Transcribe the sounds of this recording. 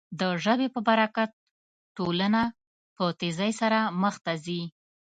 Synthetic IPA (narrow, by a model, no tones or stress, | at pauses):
d̪əʒəbepəbaɾakat̪̚ː | ʈoləna | pət̪ezajsaɾaməxt̪azi